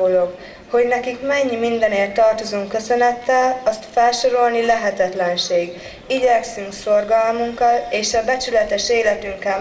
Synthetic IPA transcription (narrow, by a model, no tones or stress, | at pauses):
oːlo̞k | ho̞ɟnɛkikmɛɲːimind̪ɛneːrt̪ːɒrt̪o̞zuŋkːø̞sø̞nɛt̪ːɛlɒst̪fɛlʃo̞ɾo̞lnilɛɦɛt̪ɛt̪lɛnʃeːɡ | iɟɛksyŋkso̞rɡɒlmuŋkːɒleːʃɒbɛt͡ʃylɛt̪ɛʃeːlɛt̪yŋkɛ